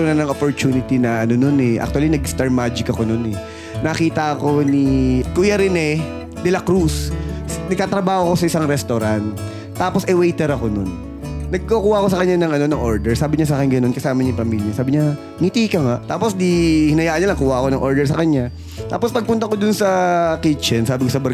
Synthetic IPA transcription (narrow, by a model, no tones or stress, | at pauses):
onɐnɐŋopoɹt͡ʃ̪uːnɪt̪inɐʔɐno̞no̞nɛʔa̰k̚t̪uwɐlinɐɡst̪ɐɹmaːd͡ʒɪkɐkono̞nɛ | nɐkiːt̪ɐɐko̞nikujɐɾɪnɛ | d̪ɛlɐkɾusnɐɡ̚t̪aːt̪ɾɐbaːhoko̞sɐɪsaŋɾɛst̪oɾant̪ | t̪ːaːposʔɛwɛjt̪ɛɾɐko̞nonː | ɐɡ̚kokuːhɐʔko̞sɐkɐɲːanɐŋɐno̞nɐŋʔo̞ɹd̪ɛɹsaːbɪɲas̬aʔaːkɪŋɡɐno̞nkɐsaːmɐɲʊpɐmiːljɐsaːbɪɲa | ŋit̪iːkɐŋaʔt̪aːposd̪ihɪnɐjaːʔɐnɲanɐkuːhɐʔɐko̞nɐŋʔo̞ɹd̪ɛɹs̬ɐkɐɲa | t̪a̰ːpospɐɡ̚pʊnt̪ɐkod̪ʊnsɐkit͡ʃɛnsaːbɪkosɐbɐ